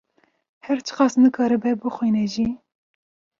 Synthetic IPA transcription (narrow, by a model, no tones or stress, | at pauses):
hɛɾt͡ʃʰɨ̥qɑːsnɨkʰɑːɾɨbɛbɨxʷwiːnɛʒi